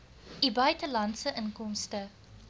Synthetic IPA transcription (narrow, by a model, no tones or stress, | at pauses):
ʔibœɥtəlɐntsəʔənkɔmstə